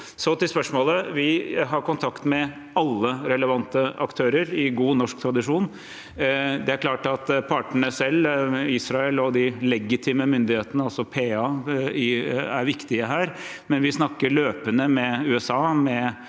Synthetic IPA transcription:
sɔt̪ɪlspœʂmoːləʋɪɦɑɾkʊnt̪ʰɑkt̪mɛ | ɑlːəɾɛləʋɑnt̪əɑ̰kt̪ʰøːɾəɾɪɡuːnɔʂk̚t̪ʰɾɑd̪ɪʂuːn | d̪ɛæɾkʰlɑːʈɑt̪pʰɑʈəɳəsɛlːiːsɾɑɛlɔd̪ɪlɛɡɪt̪ʰiːməmʏnd̪ɪheːt̪ənəɑlsɔpʰeːɑɪæ̰ɾʋɪkt̪ɪəɦæːɾmɛnʋɪsnɑkːəɭøːpənəmɛʉːɛsɑːmɛ

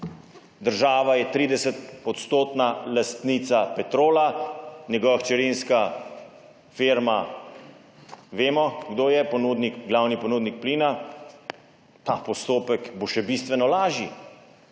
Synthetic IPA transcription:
d̪əɾʒaːʋajɛt̪ɾiːd̪ɛsɛt̪̚ɔt̪st̪oːt̪nalast̪nit̪sapɛt̪ɾoːlanʲjɛɡɔʋaxt͡ʃɛɾinska | feɾma | ʋeːmɔɡd̪oːjɛpɔnud̪nikɡlaːwnipɔnuːd̪nik̚pliːna | t̪apɔst̪oːpɛkboʃɛbist̪ʋɛnɔlaːʒi

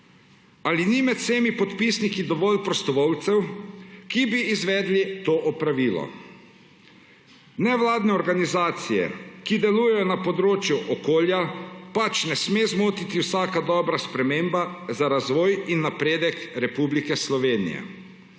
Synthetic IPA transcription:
alinimɛt̪seːmipɔt̪pisnikid̪ɔʋɔːlpɾɔst̪ɔʋɔwt̪sɛwkibiːzʋɛd̪lit̪oːʔɔpɾaʋiːlɔ̰ | nɛʋlaːd̪nɛɔɾɡanizaːt̪sijɛ̰kid̪ɛluːjɛjɔnapɔd̪ɾoːt͡ʃjuʔɔkoːljapat͡ʃnɛsmeːzmoːt̪it̪iwsaːkad̪ɔːbɾaspɾɛmeːmbazaɾazʋɔːjinːapɾeːd̪ɛkɾɛpublikɛslɔʋeːnḭjɛ̰

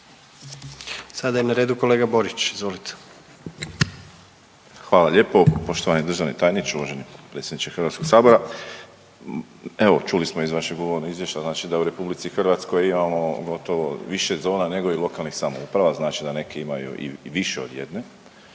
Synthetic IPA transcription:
sad̪ajimnaɾeːd̪uko̞leːɡabo̞ɾit͡ʃizʋolit̪ʰe̥ | xʋaːlaʎe̞ːpo̞po̞ʃt̪o̞ʋanid̪r̩ʒaʋnet̪aːjnit̪t͡ʃ̪euʋoʒenipɾet̪sʲjed̪nit͡ʃ̪exr̩ʋat̪ko̞ɡ̥saːbo̞ɾa | e̞ʋo̞t͡ʃulismo̞izʋaʃeɡuʋoɾnoizʋjeʃt̪aznaːt͡ʃid̪auɾe̞publit̪ixrʋat̪sko̞jimamo̞ɡo̞t̪o̞ʋoʋiʃe̞d̪zo̞ːnane̞ɡo̞ilˠo̞kalˠnixsamo̰upɾaʋaznaːt͡ʃid̪ane̞kʰeimajṵʔḭʋiʃeo̞d̪je̞̰d̪ne̞

